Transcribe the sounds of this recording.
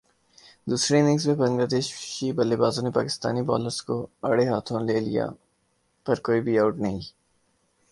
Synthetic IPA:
d̪uːsɾenɪ̃ŋɡsbebɐ̃ŋɡlaːd̪eːʃʃibɐlːeːbaːzõnepaːkɪst̪a̰ːnibɔ̰ːləɾskoɐɽeɦaːt̪ʰõleːlḭja̰ | pɐɾkoːibʱiaːʊʈnɐɦĩ

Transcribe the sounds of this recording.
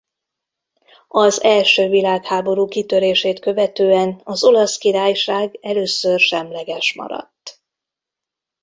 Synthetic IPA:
ɒzɛlʃøːvilaːkhaːbo̞ɾuːkit̪ø̞ɾeːʃeːt̪kø̞vɛt̪øːɛnɒzo̞lɒskiɾaːjʃaːɡɛløːsørʃɛmlɛɡɛʃmɒ̰ɾɒ̰t̪ː

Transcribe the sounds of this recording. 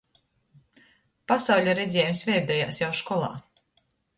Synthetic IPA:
pasawlʲaɾɛzʲɛːjumsvʲɛjd̪ɛja̰ːsjawʃkɔlˠɑ̰ː

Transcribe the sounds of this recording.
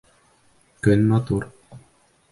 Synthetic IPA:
kɵnʲmɑt̪uɾ

